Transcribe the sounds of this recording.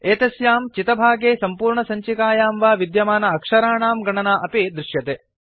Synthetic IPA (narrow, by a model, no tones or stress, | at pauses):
eːt̪ɐsjaːmt͡ʃit̪ɐbʱaːɡeːsɐmpuːɾɳɐsɐɲt͡ʃikaːjaːmʋaːʋid̪jɐmaːnɐɐkʂɐɾaːɳaːmɡɐɳɐnaːʔɐpid̪ɾɪʃjɐt̪eː